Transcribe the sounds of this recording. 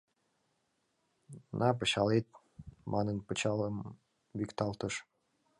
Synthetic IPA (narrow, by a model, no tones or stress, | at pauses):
nʔɑp̬əɕɑlet̪̚ | mʔɑnənpət͡ɕɑləm | βikt̪ɑlˠt̪əʃ